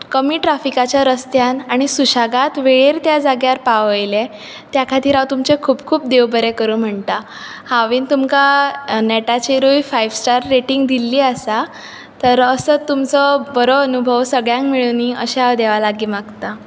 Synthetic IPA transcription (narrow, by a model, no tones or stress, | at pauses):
kəmiːʈɾafikat͡ɕjaɾəst̪janaɽ̃isuɕaɡat̪ʋeɭeɾt̪jad͡zaɡjaɾpaʋəjle | t̪jakʰat̪ʰiːɾaʋt̪umt͡ɕekʰuːbkʰuːp̚d̪eʋbəɾekəɾuːm̤əɳt̪a | haʋiːnt̪umkanɛʈat͡ɕiɾujfajʋsʈaɾːeʈiŋɡd̪ilːiːəsa | t̪əɾəsət̪ːumt͡sɔbəɾɔənubʱəʋsəɡɭjãŋkmiɭuniəɕeaʋd̪eʋalaɡiːmaɡt̪a